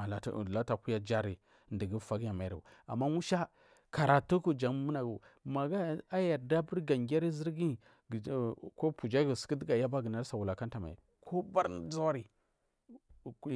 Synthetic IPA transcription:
la̰˨la˦ta˨ku˦ja˦d͡ʒa˦ɾi˨ | ndi˨ɡi˦fa˨ɡja˨ma˨ɾi˨u˨ | a̰˨mːa˦wu˦ʃa˦ | ka˨ɾa˨tu˦ku˦d͡ʒa˨ŋ˦mu˦na˨ɡu˨ | ma˨ɡa˦a˦ja˨ɾda˦bi˦ɾɡa˨ŋɡʲa˦ɾi˦zi˦ɾɡi˦˨ | ko˦pu˨d͡ʒa˦ɡu˨si̥˨ki˦di˦ɡa˨ja˦ba˦ɡə˨na˦ɾsa˨wu˨la˨ka˦n˦ta˨ma̰˨ḭ˨ | kʰo˦ba˦ɾd͡za˦ɾi˨˦

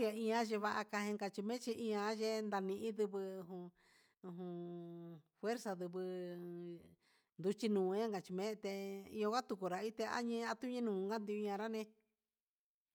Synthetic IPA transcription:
ja˧ĩ˧ã˦ʒe˧βa˧ʔa˧ka˧ɦĩ˧ŋɡa˧t͡ʃi˧mẽ˦t͡ʃi˧ʔĩ˧ã˧˦ʒe˦nd̪a˧nĩ˧ʔĩ˦ðɨ˧βɨ˧u˧ɦũ˧ | u˧ɦũ˧ | fwe˦ɾsa˧ðɨ˧βɨ˧ | nd̪u˧t͡ʃi˧nũː˨˧˦ã˦ŋɡa˨t͡ʃi˧mẽ˦˧t̪e˧ĩ˧õ˧kʷa˦t̪u˧ku˧ɾa˨i˦t̪e˧a̰˦ɲĩ˦˧a˧t̪u˦ɲĩ˦nũː˨˧ŋɡa˦nd̪i˧u˧ɲã˧ɾa˦nẽ˧

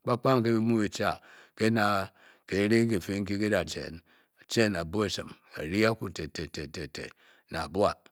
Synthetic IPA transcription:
k͡pa˦k͡pa˦ŋ˨k̬e˦bi˦mu˦bi˨t͡ʃa˨ke˦na˨ | ke˨˦ɾe˦k̬e˨fe˦ŋ̩˦ki˦ke˦da˨t͡ʃḛ˨n | a˨t͡ʃe˦˨na˨bo˦e˨sɨ˨ma̰˨ɾi˦a˦ku˦˨te˨te˨te˨te˨tḛ˨ | na̰˨a˨bu˦a˦˨

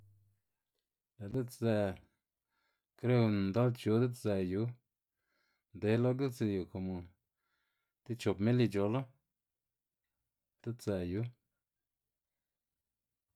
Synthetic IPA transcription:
la˨d̪e˦t̪zɛ˧˨ | kɾe˦wn˨nd̪a˦lt͡ʃu˧˦d̪e˦za˨˧ju˨˦ | nd̪e˨˦lo˦ɡi˦lt͡si˧ju˨ko˨mo˨ | t̪i˦t͡ʃo˨pme˦li˧d͡ʒo˧lo˦ | d̪̥e˦t̪zɛ˨ju˨˦

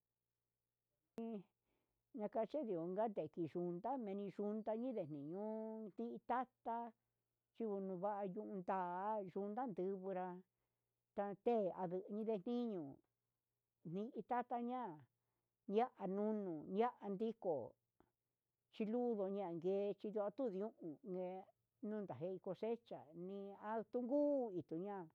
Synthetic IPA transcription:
ĩ˧ | ɲã˧ka˧t͡ʃe˦ði˨o˨˧ŋɡa˦nd̪e˨ki˨ʒu˧nd̪a˦mẽ˧nĩ˧ʒu˧nd̪a˧ɲĩ˦ðe˨n̥nĩ˨ɲũ˦n̥ĩ˦ʔĩ˧t̪a˦t̪a˦ | t͡ʃi˦˧βu˧nũ˧βa˦ʔa˧ɲũ˧ʔũ˧nd̪aː˦˨˦ʒu˧nd̪a˦nd̪ɨ˧βɨ˧ɾa˧ | t̪a˧t̪e˦˨a˧ðɨ˧ʔɲĩ˦ðe˧˨n̥nĩ˦ɲũ˨ | n̥nĩ˧ʔĩ˧t̪a˦t̪a˦ɲã˦˨ | ɲja˦ʔa˧nũ˦nũ˨nja˦ʔa˧nd̪i˦ko˨ | t͡ʃi˧lu˦ðo˧ɲã˦˧˨ŋɡeː˧˦˧t͡ʃi˧ðju˧a˧t̪u˦˨ðũ˦ʔũ˨˧ŋɡe˧ | nũː˦nd̪a˨ɦe˧˦˧i˧ko˧se˦t͡ʃa̰˨nĩ˧a˧t̪u˦ŋɡuː˦i˨t̪u˨ɲã˦˨

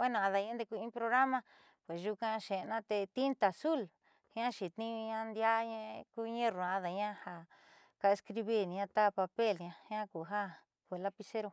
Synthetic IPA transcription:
e˦nã˧˨ã˧ða˧ɲẽ˧˦nd̪e˧ku˧ĩ˦˧pɾo˧ɣɾa˦mã˧ | pwe˨sʒu˧kã˧ʃe˨˧nã˦t̪e˧t̪i˦nt̪a˨su˦˨l | hã˦ʃi˨t̪ĩ˦˧ɲã˧nd̪ja˦ɲẽ˦˧ku˦˧ɲẽ˦ɾũ˨˧a˧ða˨ɲã˦ha˧ | ka˧e˧skɾi˧βi˦nĩ˧ɲã˧t̪a˦pa˧pe˦˨lɲã˧hã˦ku˨ɦa˦ | kʷe˨la˦pi˧se˦ɾo˧

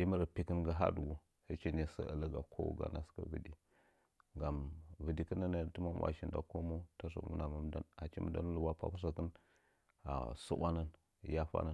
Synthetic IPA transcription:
i˦mə˦ɾə˨pi˨kə˦nɡə˦ɦa̰˦du˨ɡu˨ | he˦t͡ʃi˦ni˦sə̰˦ə˨lə˦ɡa˨kʰo˦wṵ˦˨ɡa̰˨na˦ska̰˦və̰˨di˨ | ŋɡa˨mvə˨di˨kə˦na˦na˨tu˦ma˦˨wʔa̰˨ʃi˨nda̰˨ko˦mo˦ta˦s̬a̰˨˦ṵ˦na˨ma˨m˦da̰˦na˨t͡ʃi˦mə˦da˦n˦lu˨wa˦pa̰˦pu˦s̬a˨kə˦n | a̰˨sṵ˦ba˦na˦n˨ | ja˦fa̰˦na˦˨

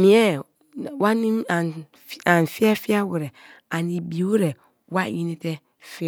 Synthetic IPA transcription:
mĩ˨˦ɛ˦˨ | wa˦nĩ˦a˨n˨ | fã˨n˨fi˦a˦fi˦a˦wʊ˨ɾɛ˨a˨ni˨bi˨o˦ɾɛ˨ | wa˦˨ji˦nĩ˦tɛ˦ | fɪ˦˨

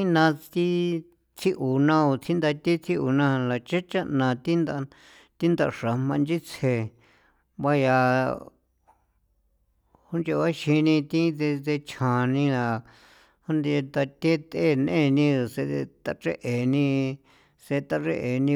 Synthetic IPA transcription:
i˦nã˧t̪i˦ | t͡sʰi˦ʔu˨nã˧u˧t͡sʰi˦nd̪a˧t̪i˦t͡sʰi˦u˨nã˧la˨t͡ʃe˦t͡ʃa˦nã˧˨t̪i˦nd̪a˧ | t̪i˦nd̪a˧˨ʂa˨mã˧nd͡ʒi˦t͡sʰe˧ | βa˦ja˧ | hu˦nd͡ʒe˧βa˦ʃi˧nĩ˧t̪ĩ˦ðe˧ðe˧t͡ʃʰã˨nĩ˧la˨ | hu˦nd̪e˧t̪a˧t̪ʲe˦t̪e˦˨n˧ẽ˦˧nĩ˧˨se˧t̪a˧ʈ͡ʂe˦ʔe˨nĩ˧ | se˧t̪a˧ʐe˦ʔe˨nĩ˧

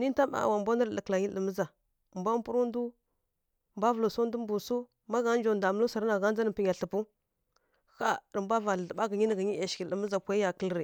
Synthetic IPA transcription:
ni˦n˦ta˦a̰˨wa˨mbo˦nə˦ɾlə˨kla˨ɲi˦ə˨mə˦za˨ | mbʷa˦m˦pu˦ɾu˦n˦du˦ | mbʷa˦vlu˨su˦ndu˦mbu˨su˦ | ma˦ɡa˨˦nd͡ʒo˨nda˨mə˦lu˦sa˨ɾna˨ɡa˦n˦d͡za˦n˨pi˦ɲa˨ɬə˨pu˦ | xa˦ɾə˨mbʷa˦va˨ə˨ɓa˦ɡə˨ɲi˦n˨ɡə˨ɲi˦˨ʃi˨ə˨mə˦za˨pʷa˨i˦ja˨kə˦lɾi˨

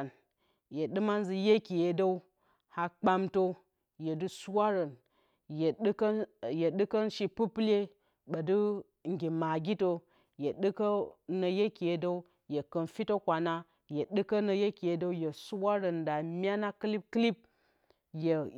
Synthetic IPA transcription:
n | je˨ɗɨ˦ma˦n˦zi˨je˦ki˨je˨do˦u˦ | ha˨k͡pa˦mto˦ | je˨dɨ˦su˦wa˦ɾɐ˨n | je˨ɗkje˨ɗɨ˦kɐ˦nʃi˨pu˦ple˦ | ɓɐ˨dɨ˦ | ŋ˨ɡʲi˨ma˨ɡʲi˦to˦ | je˨ɗɨ˦kɐ˦nɐ˨je˦ki˨je˨do˦u˦ | je˨kɐ˨nfi˦to˦kʷa˨na˦ | je˨ɗɨ˦kɐ˦nɐ˨je˦ki˨je˨do˦u˦je˨su˦wa˦ɾɐ˨nda˨mʲ˦a˦na˦kɨ˦li˦p̚kli˦p̚ | je˨

